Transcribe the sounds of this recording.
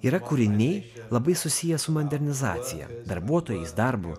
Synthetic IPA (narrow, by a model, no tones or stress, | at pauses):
iːɾɐkʊɾʲɪnʲɛɪ | lˠɐbɐɪsʊsʲɪjɛsʊmonʲd̪ʲɛɾʲnʲɪzɑ̰ːt̪sʲɪjɛ̰d̪ɐɾbuɔt̪oɔːjɛɪsd̪ɐɾbʊ̰